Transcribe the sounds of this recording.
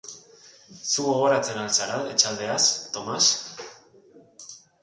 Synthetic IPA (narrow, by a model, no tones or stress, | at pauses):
suɣo̞ɣ̞o̞ɾat͡se̞nalsaɾalet͡ʃald̪e̞ast̪o̞mas